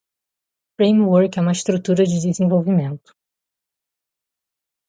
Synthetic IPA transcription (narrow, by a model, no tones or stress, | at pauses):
fɾẽjmwɔɾkɛũmɐɪst̪ɾut̪uɾɐd͡ʒɪd̪ɪzẽvowvimẽnt̪ʊ̥